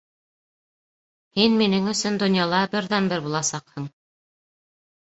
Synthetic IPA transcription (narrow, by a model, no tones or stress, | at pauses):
hinminɘŋɵ̆sɵnd̪ŏnjɑlˠɑbɘ̆ɾðænbɘɾbulˠɑsɑqhɤɴ